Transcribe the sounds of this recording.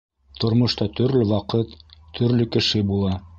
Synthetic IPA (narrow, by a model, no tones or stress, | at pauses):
t̪ŏɾmŏʃt̪ɑt̪ɵ̆ɾlɘwɑqɤt̪ːʰɵ̆ɾlɵkɘ̆ʃɘbulˠɑ